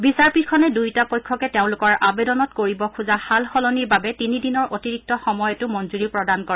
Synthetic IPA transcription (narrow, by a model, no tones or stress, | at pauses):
bisaɹpit̚kʰɔnɛdujtapɔjkʰːɔkɛteʊ̃lʊkɔɹabedɔnɔtkoɹibɔkʰuzahalxɔlɔniɹbabɛtinidinɔɹʔotiɹik̚tɔxɔmɔjɔtʊmɔnzuɹipɹɔdankɔɹɛ